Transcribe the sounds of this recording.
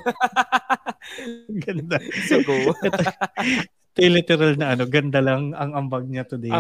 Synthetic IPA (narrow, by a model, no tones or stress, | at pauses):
ɡɐnd̪a | ɛt̪o | t̪ɾilɪt̪ɛɾɐlnɐʔɐno̞ɡɐnd̪alɐŋɐŋɐmbaɡ̚ɲat̪ʊd̪ɛ